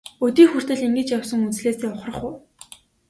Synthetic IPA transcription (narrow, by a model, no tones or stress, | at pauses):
ɵt̪iːxur̥t̪ɘ̆ɮiŋɡɘ̆t͡ɕjawsɞ̆ŋut͡sɮeːseːʊχrə̆χʊː